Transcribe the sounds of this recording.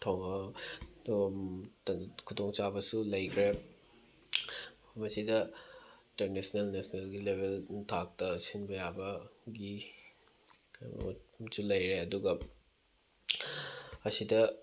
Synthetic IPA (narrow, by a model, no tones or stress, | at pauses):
tʰoŋɐ | kʰutoŋt͡ʃabɐsulɐjkʰɾe | pʰmɐsidɐinteɾnesnelnesnelɡilebʱelntʰak̚tɐsinbɐjabɐɡi | sulɐjɾeɐduɡɐ | ɐsidɐ